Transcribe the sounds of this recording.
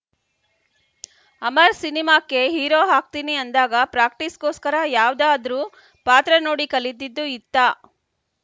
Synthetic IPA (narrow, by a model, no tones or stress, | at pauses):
ɐmɐɾsinimaːkːeɦiːɾoːɦaːk̚t̪iniɐnd̪aːɡɐpɾaːkʈiskoːskɐɾɐjaːʋd̪aːd̪ɐɾuː | paːt̪ɾɐnoːɽikɐlid̪ːid̪ːuit̪ːaː